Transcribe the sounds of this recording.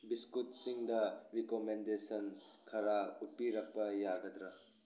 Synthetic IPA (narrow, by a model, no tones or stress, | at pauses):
biskut̚siŋdɐɾikomendesɐn | kʰɐɾaut̚piɾɐk̚pɐjaɡɐd̪ɾɐ